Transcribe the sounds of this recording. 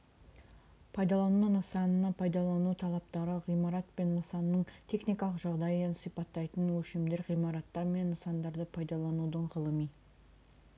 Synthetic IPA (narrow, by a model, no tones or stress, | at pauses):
pʰɑjd̪ɑlˠɑnunəsɑnənːɑpʰɑjd̪ɑlˠɑnut̪ʰɑlˠɑp̚t̪ɑɾəʁijmɑɾɑt̪pe̞nːəsɑnːəɴt̪ʰe̞χnijkɑlˠəqʒɑʁd̪ɑjənsijpɑt̪ːɑjt̪ənwɵʃemd̪e̞ɾʁijmɑɾɑt̪ːɑɾme̞nːəsɑnd̪ɑɾd̪əpʰɑjd̪ɑlˠɑnud̪əɴʁəlˠəmij